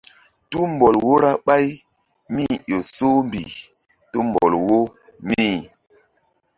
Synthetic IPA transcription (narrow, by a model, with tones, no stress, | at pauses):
tu˦m˨bɔ˨lwo˦ɾa˦ɓa˦j | mi˦˨jo˨so˦mbḭ˨ | tu˦m˨bɔ̰˨lwo˦ | mi˦˨